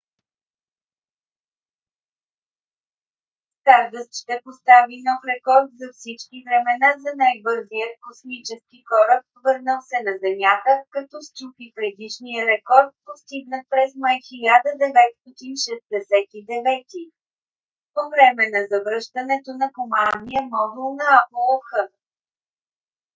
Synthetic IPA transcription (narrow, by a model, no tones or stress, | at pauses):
st̪aɾd̪əst̪ʃt̪ɛpost̪avinɔfɾɛkɔɾt̪zɐfsit͡ʃkivɾɛmɛnazɐnajbɤɾzijət̪kosmit͡ʃɛskikɔɾək̚vɤɾnəlˠsɛnɐzɛmjat̪əkɐt̪ɔst͡ʃupipɾɛd̪iʃnijəɾɛkɔɾt̪̚post̪iɡnət̪pɾɛzmajxilʲad̪əd̪ɛvɛt̪st̪ɔt̪inʃɛsd̪ɛsɛt̪id̪ɛvɛt̪i | povɾɛmɛnɐzɐvɾɤʃt̪ɐnɛt̪onɐkomannːijəmɔd̪ulˠnɐapulˠofxɤ